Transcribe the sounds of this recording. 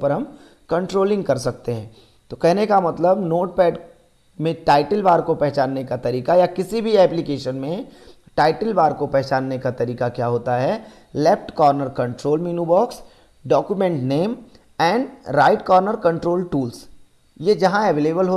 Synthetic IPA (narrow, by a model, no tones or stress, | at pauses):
pɐɾɦɐm | kɐ̃ɳʈɾoːlɪ̃ŋɡkɐɾsɐk̚t̪eɦɛ̃ː | t̪okɛɦnekamɐt̪ləbnoːʈ̚pɛːɖ | mẽʈaːɪʈəlbaːɾkopɛɦt͡ʃaːnːekat̪ɐɾiːkajakɪsibʱiɛːplɪkeːʃənmẽ | ʈaːɪʈəlbaːɾkopɛɦt͡ʃaːnːekat̪ɐɾiːkakjaːɦoːt̪aɦɛ | lɛfʈkɔːɾnəɾkɐ̃ɳʈɾoːlmiːnubɔːks | ɖɔːkjumɛ̃ɳʈneːm | ɛ̃ːɳɖɾaːɪʈkɔːɾnəɾkɐ̃ɳʈɾoːlʈuːls | jed͡ʒɐɦãɛʋeːleːbəlɦo